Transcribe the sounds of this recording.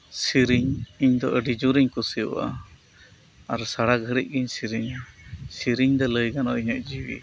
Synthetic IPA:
siɾiɲiɲd̪ɔʔəɖid͡ʒuɾiɲkusijṵʔa̰ | aɾsaɽaɡʱəɾic̚ˀɡiɲsiɾiɲsiɾiɲd̪ɔləjɡanɔʔiɲəʔd͡ʒiwḭ

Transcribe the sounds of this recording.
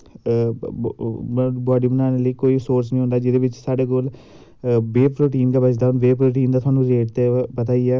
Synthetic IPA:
bɔːɖiːbənaːneləiːkoːiːsoːɾsnəĩɦõnd̪aːd͡ʒɪd̪eːʋɪt͡ʃsaːɖeːɡol | beːpʰɾoːʈiːnd̪aːbəd͡ʒd̪aːnʋeːpʰɾoːʈiːnd̪aːt̪ʊaːnũːɾeːʈt̪eːpət̪aːiɛː

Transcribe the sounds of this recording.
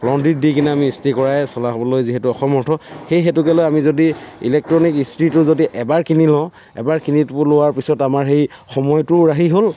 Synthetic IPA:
lɔndit̚dikinɛamiːstikɔɹajsɔlaɦɔbɔlojziɦɛtʊɔxɔmɔɹtʰɔxejxɛtʊkɛlojamizodiḭlɛk̚tɹɔnikistɹitʊzodiʔɛbaɹkinilɔ | ɛ̰baɹkinitpʊlowaɹpisɔtamaɹxejxɔmɔjtʊɹaɦiɦol

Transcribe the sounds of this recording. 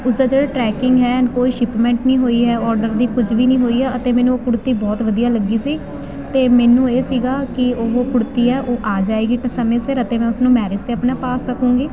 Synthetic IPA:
ʊs̬d̪aːd͡ʒeːɽaːʈɾɛːkɪŋɡɦɛːənkoːiːʃɪpmɛ̃ːɳʈnĩːɦoːiːɦɛːɔːɾɖəɾd̪iːkʊd͡ʒʋiːnĩːɦoːiːɦɛːət̪eːmɛ̃ːnũokʊɽt̪iːbɔːt̪ʋəd̪ijaːləɡiːsiː | t̪eːmɛːnũːeːsiːɡaːkɪoːoːkʊɽt̪iːɛːʔoːʔaːd͡ʒaːeːɡiːʈəsəmẽːsɪɾət̪ẽːmɛ̃ːʊsnũːmɛːɾɪst̪eːapnãːpaːsːəkʰũːɡiː

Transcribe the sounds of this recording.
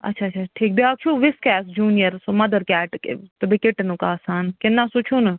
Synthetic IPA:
ɐ̰tːʃʰaːt͡ʃʰaʈʰiːk̚biaːkt͡ʃʰuːʋɪskɛːsd͡ʒuːnijəɾsoːmɐd̪əɾkɛːʈkḛt̪ɐbikɪʈnukaːsaːnkenːãːsut͡ʃʰoːnɐ

